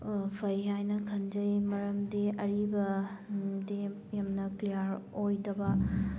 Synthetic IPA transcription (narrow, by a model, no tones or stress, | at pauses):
pʰɐjɦajnɐkʰɐnd͡ʒɐjmɐɾɐmdiɐɾibɐ | di | jamnɐklijaɾojdɐbɐ